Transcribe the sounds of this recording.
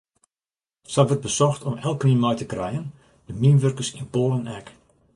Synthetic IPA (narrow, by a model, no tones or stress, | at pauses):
saʋərt̚bəsɔxtɔmɛlˠkniənmɔjtəkrɛjən | dəmiənʋørkəsinpoːlənɛk